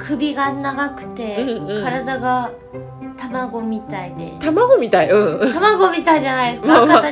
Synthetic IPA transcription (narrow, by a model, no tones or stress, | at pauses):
kʰɯbʲiɡanaɡakɯ̟̥t̪ẽ̞kːkaɾad̪aɡa | t̪amaɡo̞mʲit̪ainit̪amaɡomʲit̪aiɯ̃ːt̪amaɡomʲit̪ad͡ʑanaiesakat̪a